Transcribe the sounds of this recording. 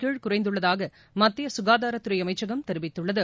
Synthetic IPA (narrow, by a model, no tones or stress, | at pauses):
kiːɻkʊrɐɪnd̪ɯɭːɐðaːɣɐ | mɐt̪ːɪjɐsʊɣaːðaːɾɐt̪ːɯɾɐjɐmɐɪt͡ʃːɐɣɐmt̪ɛɾɯʋɪt̪ːɯɭːɐðɯ